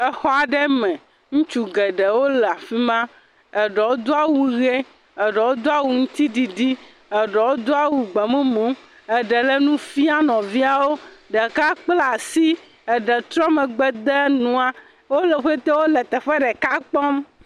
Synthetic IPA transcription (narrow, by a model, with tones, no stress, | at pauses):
ɛ˦xɔ˦a˨ɖɛ˦mɛ̃˨ | ŋũ˦t͡ʃu˦ɡɛ˨ɖɛ˨wo˦lɛ˨a˨fi˦mã˦ | ɛ˨ɖɛ˨wo˦d̪o˦a˦wu˦ɣe˦ | ɛ˨ɖɛ˨wo˦d̪o˦a˦wu˦ŋũ˦t̪i˦ɖi˨ɖi˦ | ɛ˨ɖɛ˨wo˦d̪o˦a˦˨wu˨ɡ͡bɛ˨mɛ̃˦mõ˨˦ | ɛ˨ɖɛ˨lɛ˦nũ˦fi˦a˦nɔ̃˨vi˦a˨wo˦ɖɛ˨ka˦k͡pla˨si˦ | ɛ˨ɖɛ˨t̪ɾɔ˦mɛ̃˨ɡ͡bɛ˦d̪ɛ˦nũ˨a˨ | wo˦lɛ˨ɸe˦t̪ɛ˦wo˦lɛ˨t̪ɛ˨ɸɛ˦ɖɛ˨ka˦k͡pɔ˦m